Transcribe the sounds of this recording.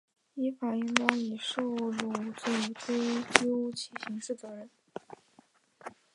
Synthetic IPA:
i˥fa˨˩y˥nt̪ɑ˥ŋi˨˩ʂo˥˩ʊlu˨˩t͡se˥˩˧ʈ͡ʂwe˥ɪt͡ɕjo˥ʊt͡ɕʰi˧˩ɕi˧˥ŋʂɻ̩˥˩t͡sɤ˧˥ɻə˧˥n

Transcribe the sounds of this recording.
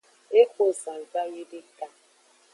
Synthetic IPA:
e˦kʷo˨sa˨za˦ɣɪ˦dɪ˦ka˦

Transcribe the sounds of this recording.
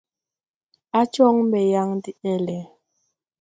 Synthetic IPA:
a˦t͡ʃɔ˦ŋ˦bɛ˨ja˦ŋdi˦ɛ˦lɛ˨

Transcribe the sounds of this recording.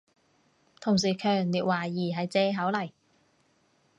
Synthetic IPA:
t̪ʰʊ˨˩ŋs̬iː˨˩kʰœː˨ŋliː˨t̚waː˨˩jiː˨˩ɦɐ˨jt͡sɛː˧ɦɐ˨˥wlɐ˨˩j

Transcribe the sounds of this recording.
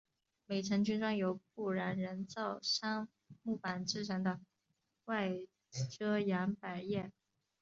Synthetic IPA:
me˨˩ɪʈ͡ʂʰə˧˥ŋt͡ɕy˥nʈ͡ʂɑ˥ŋjo˨˧˥ʊpu˥˩ɻa˧˥nɻə˧˥nt͡sɑ˥˩ʊʂa˥ŋ | mu˥˩pa˨˩nʈ͡ʂɻ̩˥ʈ͡ʂʰə˧˥d̪ə˧ | wa˥˩ɪ | ʈ͡ʂɤ˥ja˧˥npa˨˩ɪjɛ˥˩

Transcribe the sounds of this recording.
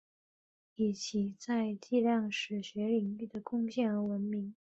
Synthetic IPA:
i˨˩t͡ɕʰi˧˥t͡sa˥˧ɪt͡ɕi˥˧ljɑ˥˩ŋʂɻ̩˨˩ɕɥɛ˧˥li˨˩ŋy˥˩d̪ə˩kʊ˥˧ŋɕjɛ˥˩nə˧˥wə˧˥nmi˧˥ŋ

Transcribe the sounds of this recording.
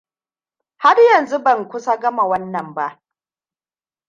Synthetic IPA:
ha˦rjɐ˨nzu˦bɐ˨ŋkʷʊ˦sa˦ɡɐ˦ma˨wɐ˦nːɐ˨mba˦ʔ

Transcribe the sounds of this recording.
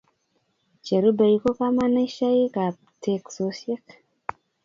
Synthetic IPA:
t͡ʃe˨ɾu˦ba˨i˦ko˦ka˦ma˦na˦ʃa˦ji˦ka˨ | tʰe˨kso˨˦sjɛ˦k

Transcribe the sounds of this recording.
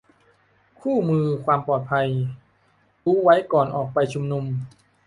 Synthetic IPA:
kʰuː˥˩mɯː˧kʰwaː˧mpɔː˨˩t̪̚pʰa˧j | ɾuː˦˥wa˦˥jkɔː˨˩nʔɔː˨˩k̚pa˧jt͡ɕʰu˧mnu˧m

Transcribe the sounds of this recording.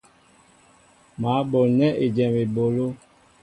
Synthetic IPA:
ma˨˦bo˨lnɛ˦ʔe˨d͡ʒɛ˨me˨bo˨lo˦

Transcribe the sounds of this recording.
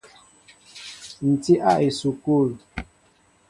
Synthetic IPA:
n̩˨ti˦ʔa˦˨ʔi˨su˨ku˦˨l

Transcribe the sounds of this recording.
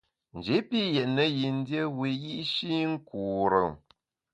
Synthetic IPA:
n̩˨d͡ʒe˨˦pi˦jɛ˨ʔnə˦ji˨n˦djə˦wi˨ji˦ʔʃi˦ŋ̩˦ku˨ɾə˨ŋ

